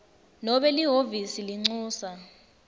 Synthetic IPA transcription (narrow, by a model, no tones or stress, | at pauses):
nɔɓɛliɦovisiliŋ͡ǀuːsa